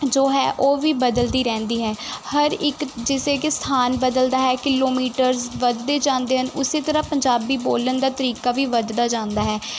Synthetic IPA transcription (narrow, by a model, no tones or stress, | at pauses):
d͡ʒoːɦɛ̰ːʔoːʋiːbəd̪əld̪iːɾɛ̃ːnd̪iːɦɛːhəɾɪkd͡ʒɪseːkst̪ʰaːnbəd̪əld̪aːɦɛːkɪloːmiːʈəɾzʋəd̪d̪eːd͡ʒãːnd̪eːɦənʊseːt̪əɾãpəɲd͡ʒaːbiːboːlənd̪aːt̪əɾiːkaːʋiːʋəd̪d̪aːd͡ʒãːnd̪aːɦɛː